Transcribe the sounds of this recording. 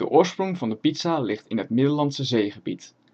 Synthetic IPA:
də̰ʔʊːɹsprʊŋvɑndəpitsalɪχtɪnɦətmɪdəlɑnsəzejχəbḭt

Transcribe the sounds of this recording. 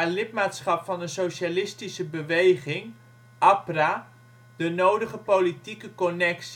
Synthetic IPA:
alɪtmaːtsχɑpfɑnənsowʃalɪstisəbəʋejχɪŋ | ʔapra | d̥ənowdəχəpowlitikəkonɛks

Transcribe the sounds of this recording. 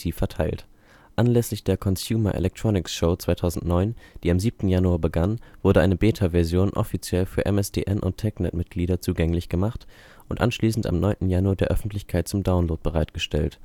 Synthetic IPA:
iːfɛɐtʰaɪlt | ʔanlɛslɪçd̥eːɐkʰɔnsjuːmɐʔḛlɛk̚tʁ̥ɔnɪksʃoʊt͡sv̥aɪtʰaʊzn̩tnɔʏnd̥iːamziːp̚tn̩januaːɐbəɡanvʊɐdəʔaɪnəbeːtʰavɛɐzjoːnʔɔ̰fit͡sjɛlfyːɐʔɛ̰mɛsd̥ḛːʔɛnʔʊ̰ntʰːɛknɛtmɪt̚ɡ̥liːɾɐt͡suːɡɛŋlɪçɡ̥əmaχt | ʔʊntʔa̰nʃliːsn̩ta̰mnɔʏntn̩januaɐdeːɐʔœfn̩tlɪçkʰaɪt̚t͡sʊmdaʊnloːt̚b̥əʁaɪtɡ̥əʃtɛlt

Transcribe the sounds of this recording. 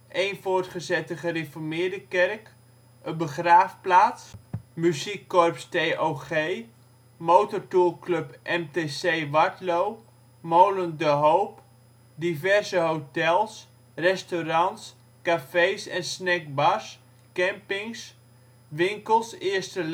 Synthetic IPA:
ʔejnfʊːɹtχəzɛtəχərefɔɹmɪːɹdəkɛrk | əbəχraːfplaːtsmyzikːɔrpstejʔowχej | mowtɔɹtulˠklɵpʔɛmtesejʋɑtlow | mowləndəɦowp | divɛrzəɦowtɛlˠs | rɛstoɾɑns | kafejsɛnsnɛk̚bɑs | kɛmpɪŋs | ʋɪŋkəlˠsɪəɹstə

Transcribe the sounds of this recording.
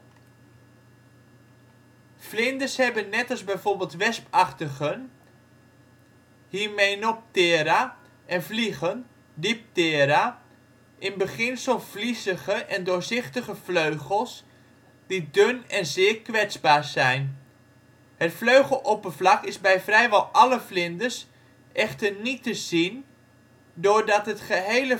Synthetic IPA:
flɪndəshɛbənːɛtɑlˠzbɛjvoːɹbɪːlˠtʋɛspɑχtəɣən | hiːmejnɔp̚tɪːɾa | ɛnvliχən | dip̚tɪːɾa | ʔɪnbəχɪnsəlˠflisəχəʔɛndʊːɹzɪχtəχəvløɥχəlˠs | d̥idønɛnzɪːɹkʋɛtt͡sbaːɹzɛjn | hətfløɥχəlˠʔopəvlɑkɪzbɛjvrɛjʋɔlˠʔɑləflɪndəɹs | ʔɛχtəɹnitəz̥in | dʊːɹdɑtɦətχəɦejlə

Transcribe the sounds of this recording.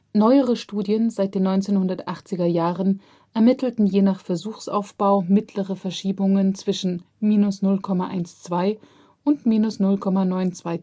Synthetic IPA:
nɔʏəʁəʃtuːdjənzaɪt̚d̥eːnːɔʏnt͡seːnhʊndɐtʔaχt͡sɪɡɐjaːʁən | ʔɛɐmɪtl̩tn̩jeːnaχfɛɐzuːxsʔa̰ʊfb̥aʊmɪtʰləʁəfɛɐʃiːbʊŋənt͡sv̥ɪʃn̩ | miːnʊsnʊlkʰɔmaʔa̰ɪnst͡sv̥aɪ | ʔʊntmiːnʊsnʊlkʰɔmanɔʏnt͡sv̥aɪ

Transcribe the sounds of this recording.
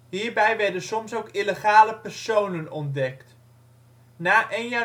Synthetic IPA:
ɦiːɹbɛjʋɛɹdənsɔmsowkiləχaːləpɛɹsownənɔndɛkt | naːʔejnjaː

